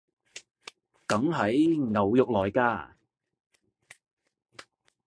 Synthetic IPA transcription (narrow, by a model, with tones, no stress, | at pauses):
kɐ˨˥ŋɦɐ˨˥jŋɐ˨wjʊ˨k̚lɔː˨jkaː˧